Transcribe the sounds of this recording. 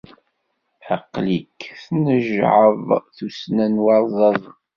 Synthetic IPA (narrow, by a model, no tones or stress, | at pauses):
ħəqːlikθnəʒʕəvθusnænwɑɾˤðˤɑðˤ